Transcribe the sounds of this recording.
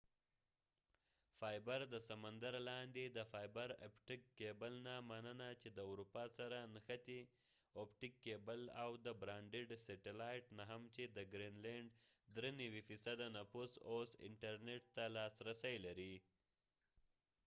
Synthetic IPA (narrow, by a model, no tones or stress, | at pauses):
fɑjbaɾd̪əsamand̪aɾlɑnd̪ed̪əfɑjbaɾa̰pʈɪkːebəlnamanənat͡ʃed̪əwɾupɑsaɾanxat̪i | opʈɪkːebəlawd̪əbɾɑɳɖeɖseʈelɑjʈnaɦamt͡ʃed̪əɡɾinleɳɖd̪ɾenawifisad̪anafusosɪ̰ɳʈaɾneʈ̚t̪alɑsɾasəjlaɾi